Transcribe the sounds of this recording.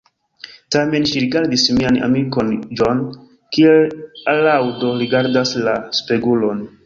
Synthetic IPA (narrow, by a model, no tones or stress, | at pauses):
tame̞nʃiɾiɡaɾdismiana̰miko̞nd͡ʒo̞n | kielalawdo̞ɾiɡaɾdaslaspeɡulo̞n